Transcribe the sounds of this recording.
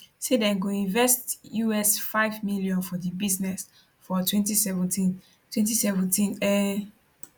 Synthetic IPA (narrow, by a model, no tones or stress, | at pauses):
sedɛ̃nɡoĩnvɛstjuɛsfaɪvmiljɔ̃nfɔdibiznɛs | fɔtʰwɛ̃ntisɛvɛ̃tĩn | twɛ̃ntisɛvɔ̃ntĩnɛ